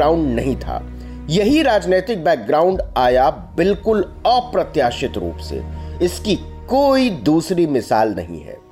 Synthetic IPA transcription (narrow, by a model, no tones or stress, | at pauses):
aːʊ̃ɳɖnɐɦĩt̪ʰa̰ː | jɐɦiɾaːd͡ʒneːt̪ɪk̚bɛːk̚ɡɾaːʊ̃ɳɖaːja | bɪlkʊl | ɔːpɾɐt̪jaːʃɪt̪ɾṵːpsḛɪski | koːid̪uːsɾimɪsaːlnɐ̰ɦḭ̃ɦɛ̰ː